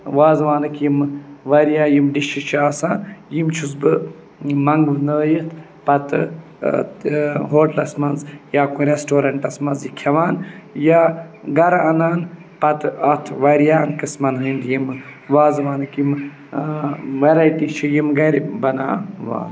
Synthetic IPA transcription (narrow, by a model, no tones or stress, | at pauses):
ʋaːzʋaːnɨkjimʋɐɾijaːjimɖiʃʰit͡ʃʰiaːsaːnjimt͡ʃʰus̬bɨ | mɐŋɡʋɨnəːjit̪ʰ | pɐt̪ɨ̰ | ɦoːʈlɐsmɐnzjaːkuɾesʈoːɾɐɳʈɐsmɐnzjikʰɐʋaːnjaːɡɐɾɐnaːn | pɐt̪ɐt̪ʰʋɐɾjaːnkɨsmɐnɦɨnd̪jimʋaːzʋaːnɨkim | ʋɐɾajʈit͡ʃʰijimɡɐɾibɐnaːʋa̰ːn